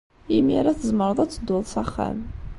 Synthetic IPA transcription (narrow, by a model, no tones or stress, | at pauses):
imiɾaθəzməɾˤəðˤat͡sːəd̪ʊlˤsæχːæ̰m